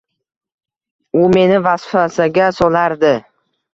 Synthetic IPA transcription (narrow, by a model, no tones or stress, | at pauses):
ʊme̞nɪvasfasaɡʲasɒlaɾd̪ɪ